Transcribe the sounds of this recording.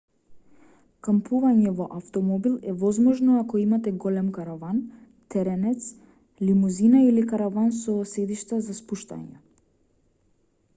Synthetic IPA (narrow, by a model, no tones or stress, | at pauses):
kampʰuvaɲɛvɔʔaft̪ɔmɔbilˠɛvɔzmɔʒnɔakɔimat̪ɛɡɔlɛmkaɾavan | t̪ɛɾɛnɛt̪s | limuzinailikaɾavansɔsɛd̪iʃt̪azaspuʃt̪a̰ɲa̰